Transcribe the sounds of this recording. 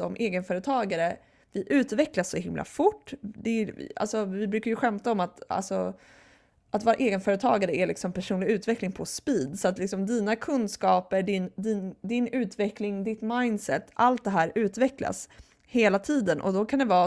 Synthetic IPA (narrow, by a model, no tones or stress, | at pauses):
ɔmʔeːɡənfœːɾət̪ʰɑːɡaɾə | vɪʔʉ̟ːt̪vɛklasːɔhɪmlʔa̰fʊʈːd̪ɛa̰lsɔvɪbɾʉ̟ːkaɾjɵɧɛmt̪aɔmat̪a̰lsɔ | ʔat̪vɑːɾaʔeːɡənfœːɾət̪ʰɑːɡaɾəæɭɪksɔmpʰæʂuːnlɪɡʉ̟ːt̪vɛklɪŋpʰɔspiːd̪sɔat̪lɪksɔmd̪iːnakʰɵnd̪skɑːpəɖɪnd̪ind̪ɪnʉ̟ːt̪vɛklɪŋd̪ɪt̪majnsɛ̰t̪ːa̰lt̪̚d̪ɛɦæːɾʉ̟ːt̪vɛkla̰s | heːlat̪ʰiːd̪ənʔɔ̰d̪ɔkʰand̪ɛvɑː